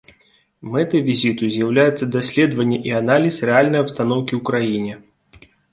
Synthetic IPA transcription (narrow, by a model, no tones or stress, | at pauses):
mɛt̪ɐvʲizʲit̪uzʲjawlʲajɛt̪sːɐd̪asʲlʲɛd̪vɐnʲːɛʔianalʲisrɛalʲnɐjɐpst̪anɔwkʲiwkɾajinʲɛ